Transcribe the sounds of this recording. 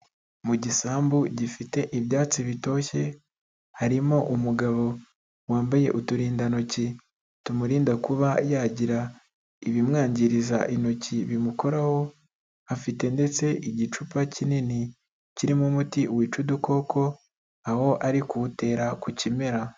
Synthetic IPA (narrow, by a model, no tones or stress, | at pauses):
muɟisaːmbuɟifite̞ʔiβjaːt͡siβito̞ːçe̞ | haɾimo̞ʔumuɡaβo̞ | waːmbaje̞ʔutuɾiːndanoci | tumuɾiːndakuβajaɟiɾa | iβimŋaːɲɟiɾiza̰ʔino̞ciβimuko̞ɾaho̞ | afite̞nde̞t͡se̞ʔiɟit͡ʃupacinini | ciɾimumutiwiːt͡ʃuduko̞ːko̞ | aho̞ʔaɾikute̞ːɾakucime̞ɾa